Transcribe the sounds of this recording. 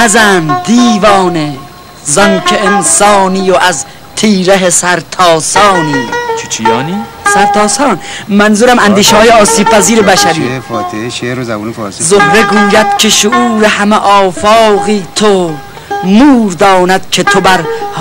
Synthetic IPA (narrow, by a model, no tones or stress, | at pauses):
æzænd̪iːvɒːne | zɒnkʰeensɒːnijoʔæz | t̪ʰiːɾeɦesæɾt̪ʰɒːsɒːniːt͡ʃʰe̥t͡ʃʰijɒːniː | sæɾt̪ʰɒːsɒːnmænzuɾæmænd̪iːʃehɒːjeɒːsiːb̥̚pʰæziːɾebæʃæɾiːfɒːt̪ʰeeʃeːɾoza̰buːnefɔ̰ːɾsizohɾe̞ɡuːjæd̪̥̚kʰe̞ʃoʔuːɾehæmeʔɒːfɒːɣiːt̪ʰo | muːɾd̪ɒːnæd̪̥̚kʰe̞t̪ʰobæɾh